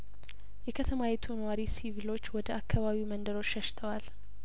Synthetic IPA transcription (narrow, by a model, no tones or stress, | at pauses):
jɛkʰət̪ʰəmajɛt̪ʰunəwaɾisivɨlo̞t͡ʃːwɔd̪əʔakːaβaβiwmənd̪əɾo̞t͡ʃːʃəʃɪ̥t̪ʰəwal